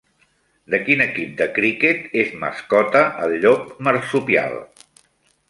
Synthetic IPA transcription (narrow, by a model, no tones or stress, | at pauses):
d̪əkinəkip̚d̪əkɾiket̪ezmə̰skɔt̪əʔəlʎok̚məɾsupia̰lˠ